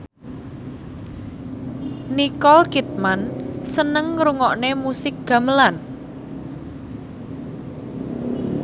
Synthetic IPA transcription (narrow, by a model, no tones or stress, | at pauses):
nikɔlkit̪̚mansənəŋɾuŋɔʔnemusɪk̚ɡ̥ä̤məlan